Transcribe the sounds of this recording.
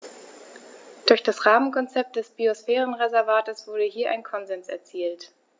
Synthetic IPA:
d̥ʊɐçd̥asʁaːmənkʰɔnt͡sɛp̚t̚d̥ɛsb̥iosfɛːʁ̞ənʁezɛɐvaːtəsv̥ʊɐdəhiːɐʔaɪnkʰɔnzɛnsɛ̰ɐt͡siːlt

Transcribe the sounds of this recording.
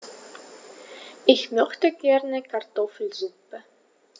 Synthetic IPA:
ʔɪçmœxtəɡ̥ɛʁnəkʰartɔfl̩zupə

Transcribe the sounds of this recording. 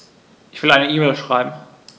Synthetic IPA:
ʔɪçv̥ɪlʔaɪnəʔiːmɛːlʃʁ̥aɪbm̩

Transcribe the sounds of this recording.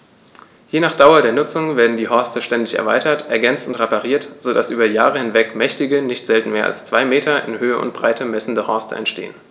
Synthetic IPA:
jeːnaːχd̥aʊɐdeːɐnʊt͡sʊŋveːɐdn̩diːhɔɐstəʃtɛndɪçɛ̰ɐvaɪtɐtʔɛɐɡɛnt͡sn̩tʁepaʁiːɐtz̥odasʔyːbɐjaːʁəhɪnvɛkmɛçtɪɡənɪçtz̥ɛltn̩meːɐʔa̰lst͡sv̥aɪmeːtʰɐʔɪ̰nhøːəʊ̰nt̚b̥ʁa̰ɪtʰəmɛsn̩dəhɔɐstə̰ɛ̰ntʃtḛːən

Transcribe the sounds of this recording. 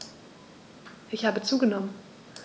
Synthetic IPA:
ʔɪçhaːbət͡suːɡənɔmən

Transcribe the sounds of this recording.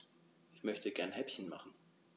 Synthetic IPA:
ʔɪçmœçtəɡɛɐnhɛpçən̩ma̰χn̩

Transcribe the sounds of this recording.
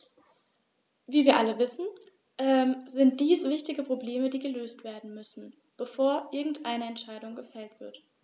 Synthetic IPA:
viːviːɐʔaləvɪsn̩ | ʔɛːmzɪnt̚d̥iːsv̥ɪçtɪɡəpʁ̥obleːmədiːɡəløːstv̥eːɐdn̩mʏsn̩ | b̥əfoːɐʔɪɐɡŋ̩tʔaɪnəɛntʃaɪɾʊŋɡəfɛltv̥ɪɐt

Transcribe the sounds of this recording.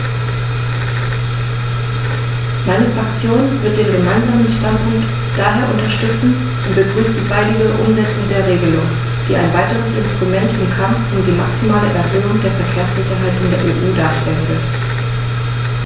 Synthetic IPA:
maɪnəfʁ̥akt͡sjoːnvɪɐt̚d̥eːnɡəmaɪnzaːmənʃtantpʰʊŋkt | d̥aːɦeːɐʔʊntɐʃtʏt͡sn̩ | ʔʊntb̥əɡʁyːstd̥iːvaɪdɪɡəʔʊ̰mzɛt͡sʊŋdeːɐʁ̞eːɡəlʊŋ | v̥iːa̰ɪnvaɪtəʁəsɪnstʁ̥umɛntɪmkʰamfʔʊmdiːmaksimaːləʔɛɐɦøːʊŋd̥eːɐfɛɐkʰeːɐsz̥ɪçɐɦaɪtʔɪndeːɐʔeːʔuːdaːɐʃtɛlənvɪɐ

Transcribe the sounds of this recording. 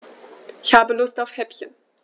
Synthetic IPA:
ʔɪçhaːbəlʊstaʊfhɛpçən

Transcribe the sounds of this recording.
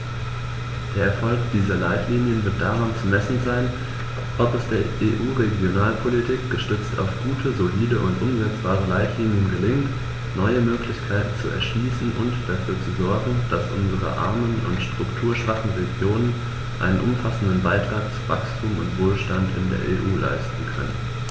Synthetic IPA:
d̥eːɐɛɐfɔlkd̥iːzɐlaɪtʰliːnjənvɪɐt̚d̥aʁant͡sumɛsn̩zaɪn | ʔɔpɛsd̥eːɐʔeːʔuːʁeɡjonaːlpʰolitʰiːk̚ɡ̥əʃtʏt͡stʰa̰ʊfɡ̥uːtʰəzoliːdəʔʊntʔʊmzɛt͡sb̥aːʁəlaɪtʰliːnjənɡəlɪŋt | nɔʏəmøːklɪçkʰaɪtn̩t͡suʔɛ̰ɐʃliːsn̩ʔʊ̰ntd̥afyːɐt͡suzɔɐɡŋ̩d̥asʔʊnzəʁə̰ʔa̰ɐmənʊ̰ntʃtʁ̥ʊktʰuːɐʃv̥aχn̩ʁeɡjoːnən | ʔa̰ɪnənʔʊ̰mfasn̩dənbaɪtʁ̥aːk̚t͡suvakstʰuːmʊ̰ntv̥oːlʃtantɪ̰ndḛːɐʔḛːʔuːla̰ɪstn̩kʰœ̰nənn

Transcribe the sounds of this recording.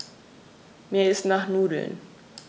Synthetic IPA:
miɪsnaχnuːdl̩̰n

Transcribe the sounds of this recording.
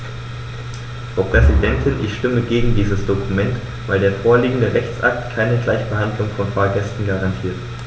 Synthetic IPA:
fʁ̥aʊpʁ̥ɛzidɛntʰɪnʔɪ̰çʃtɪməɡeːɡŋ̩diːzəsd̥okʰumɛnt | v̥aɪldeːɐfoːɐliːɡŋ̩dəʁɛçt͡sʔa̰k̚tkʰaɪnəɡlaɪçb̥əɦandlʊŋfɔnfaːɐɡɛstn̩ɡaʁantʰiːɐt

